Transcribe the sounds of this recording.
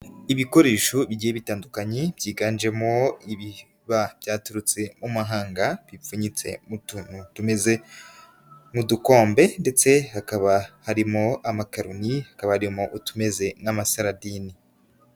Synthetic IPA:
iβiko̞ɾe̞ːʃoβiɟiːjeβitaːndukaɲebjiːɡaːnd͡ʒe̞mo̞iβi | βab̥jaːtuɾut͡se̞mumaɦaːŋɡaβifuɲit͡se̞̰mutunutume̞ze̞ | muduko̞ːmbe̞nde̞t͡se̞hakaβahaɾimo̞amakaɾunihakaβahaɾimo̞ʔutume̞ze̞namasaɾadini

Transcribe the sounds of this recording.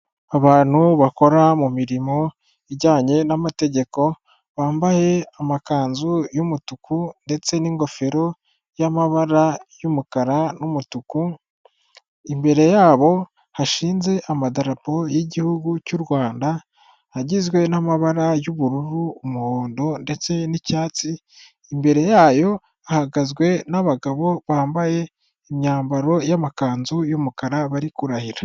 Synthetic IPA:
aβaːn̥huβako̞ɾamumiɾimo̞ | iɟaːɲe̞namate̞ɟe̞ko̞ | βaːmbahe̞amakaːnzujumutukʰunde̞t͡se̞niŋɡo̞fe̞ɾo̞ | jamaβaɾajumukaɾanumutuku | imbe̞ɾe̞jaːβo̞ | haʃiːnze̞ʔamadaɾapo̞jiɟihuɡucuɾwaːnda | haɟizɡwe̞namaβaɾajuβuɾuɾuːmuhoːndo̞nde̞t͡se̞nicaːt͡siː | mbe̞ɾe̞jaːjo̞ | ahaɡazɡwe̞naβaɡaβo̞βaːmbaje̞ | imɲaːmbaɾo̞jamakaːnzujumukaɾaβaɾikuɾahiɾa

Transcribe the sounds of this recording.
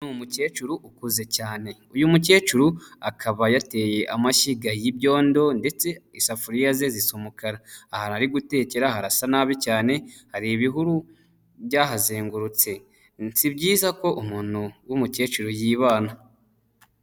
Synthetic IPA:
numuce̞ːt͡ʃuɾuʔukuze̞caːne̞ujumuce̞ːt͡ʃuɾuakʰaβajate̞je̞ʔamaʃiɡajibɟo̞ːndo̞nde̞t͡se̞isafuɾijaze̞zisomokaɾaːhanaɾiɡute̞ːceɾahaɾasanaːβicaːne̞haɾiβiɦuɾu | βjaɦazeːŋɡuɾut͡se̞ | nsibɟiːzako̞ʔumuːn̥huwumuce̞ːt͡ʃuɾujiːβaːna

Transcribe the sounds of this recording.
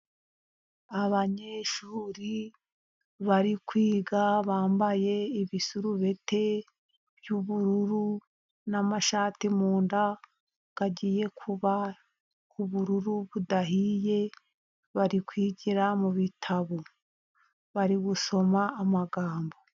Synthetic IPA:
aβaɲe̞ːʃuːɾi | βaɾikwiːɡaβaːmbaje̞iβisuɾuβe̞te̞ | b̥juβuɾuɾu | namaʃaːtimuːnda | ɡ̥aɟiːje̞kʰuβa | uβuɾuɾuβudaɦije̞ | βaɾikwiːɟiɾamuβitʰaβo | βaɾiɡuso̞maːmaɡaːmbo̞

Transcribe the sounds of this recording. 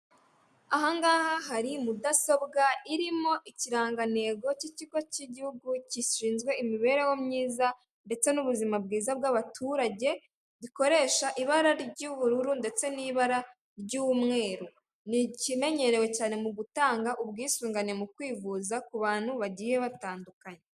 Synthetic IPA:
aɦaŋɡaːhaɦaɾimudaso̞bɡaiɾimo̞ʔiciɾaːŋɡane̞ːɡo̞ciciɡo̞ciɟihuɡuciʃiːnzɡwe̞imiβe̞ːɾe̞womɲiːza | nde̞t͡se̞nuβuzimab̚ɡiːzab̚ɡaβatʰuɾaɟe̞ | ɾiko̞ɾe̞ːʃaʔiβaɾaɾɟuβuɾuɾunde̞t͡se̞niːβaɾa | ɾɟuːwumŋe̞ːɾu | nicime̞ɲe̞ɾe̞we̞caːne̞muɡutaːŋɡaʔubɡiːsuːŋɡane̞mukwiːvuzakuβaːn̥huβaɟiːje̞βataːndukaɲe

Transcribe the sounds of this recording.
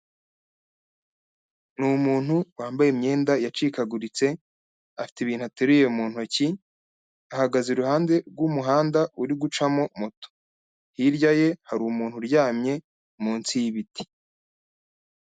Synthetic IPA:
numuːn̥huwaːmbajemɲe̞ːndajat͡ʃiːkaɡuɾit͡se̞ | afi̥tiβiːnhuateɾuje̞muːn̥hoci | ahaɡazeɾuhaːnde̞ɾɡwumuɦaːndaʔuɾiɡut͡ʃamo̞moto̥ | hiɾɟaje̞haɾumuːn̥huɾjaːmɲe̞ | muːnt͡sijiβiti̥

